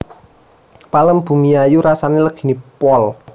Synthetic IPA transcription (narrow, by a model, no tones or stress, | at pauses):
paləmb̥ṳmiajuɾasaneləɡ̥i̤nipɔl